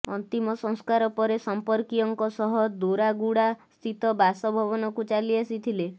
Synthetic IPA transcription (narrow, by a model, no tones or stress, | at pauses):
ɔ̰nt̪imɔsɔ̃ŋskaɾɔpɔɾesɔmpɔɾkiɔŋkɔsɔɦɔd̪uɾaɡuɽast̪ʰit̪ɔbasɔbʱɔbɔnɔkut͡ʃaliasit̪ʰile